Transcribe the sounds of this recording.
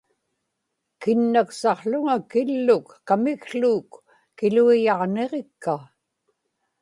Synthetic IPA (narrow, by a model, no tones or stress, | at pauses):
kɪnːaksɑʁɬʊŋakɪlːʊkːamɪɣɬuːkː | ɪluijɑʁne̞ʁekːa